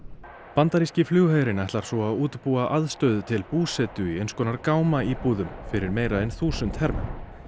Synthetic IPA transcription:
pant̪aɾiscɪflʏːɣhaːjɾɪnɛht̪laɾ̥sɔaðuːt̪puːaʔaðst̪œɥðt̪ʰɪlpuːsɛt̪ʏiejnskɔːnaɾkaːwmaipuːðʏmfɪɾɪɾmeːjɾaɛnθuːsʏnt̪hɛɾmɛ̰m

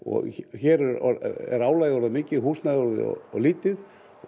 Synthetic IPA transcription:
ɔ̰ɣçɛːɾɛɾɔ̰ɛ̰ɾaːwlaːjɔɾðɪmɪːcɪðɦuːsnajɔɾðɪ̰ɔ̰ɔliːt̪ɪð

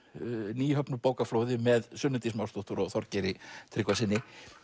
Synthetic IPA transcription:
niːjhœpnʏpoːwkafloːwðɪmɛðsʏnːʏnt̪ismaːwst̪ɔht̪ʏɾɔɣθɔɾcɛɾɪt̪ʰɾɪːkvasɪnːɪ

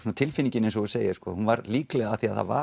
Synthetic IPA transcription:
unat̪ʰɪlfɪnĩɲcɪnɛnsɔɣɪseːjɪskɔhunvaɾliːklɛɣaθiaðθha̰va̰

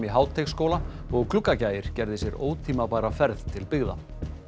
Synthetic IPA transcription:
miɦaːwt̪ʰexskowla | ɔɣkʰlʏkːacaːjɪɾ̥cɛɾðɪsjɛɾoːwt̪ʰiːmapaːɾafɛɾðt̪ʰɪlpɪɣða̰

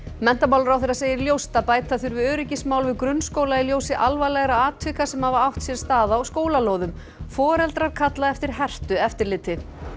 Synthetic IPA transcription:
mɛn̥t̪amaːwlɾawθeɾaseːjɪɾljowst̪apaːjt̪aθʏɾvɪðœːɾɪcɪsmawlvɪðkɾʏnskoːwlailjoːwsɪʔalvajlɛɣɾaaːt̪ʰvɪhkasɛmhavaawht̪sjɛɾ̥st̪aːðaɔɣskoːwlaloːwðʏm | fɔːɾɛlt̪ɾaɾ̥kʰat̪laɛft̪ɪɾ̥ɦɛr̥t̪ʏɛft̪ɪɾlɪːt̪ɪ

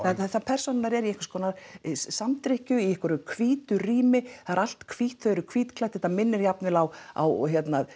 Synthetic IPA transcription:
θaaθaðpʰɛr̥sɔnɪnaɾɛɾiɛjŋkvḁskɔːnaɾsamt̪ɾɪhcʏiɛhkʏɾʏkʰviːt̪ʏriːmɪaðɾal̥t̪kʰviht̪θœðʏɾʏkʰv̥iːt̪kʰlajt̪ɛht̪amɪnːɪɾjapnɪlawa̰wɦjɛt̪na

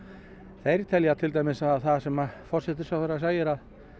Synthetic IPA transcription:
θejɾt̪ʰɛljat̪ʰɪlt̪ajmɪsaðθaðsɛmafɔr̥sɛt̪ɪɾ̥sawθɛɾːasaːjɪɾað

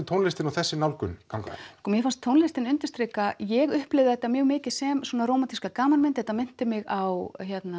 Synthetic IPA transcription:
ʏt̪ʰownlɪst̪ɪnawθɛsːɪnawlkʏ̰nkʰaŋkakɔmjɛfanst̪ʰːownlɪst̪ɪnʏnt̪ʏ̥st̪ɾekajɛɣʏhplɪvðɪðɛt̪ːamjœːɣmɪːcɪð̥sɛmswɔːnaɾoːwmat̪ʰiskakaːmanmɪnt̪hɛt̪amɪn̥t̪ɪmɪɣawçjɛt̪na

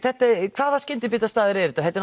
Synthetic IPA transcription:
θɛht̪akʰvaːðascɪnt̪ɪpiːt̪ast̪aːðɪɾɛɾɪt̪aθɛt̪ːɛɾ

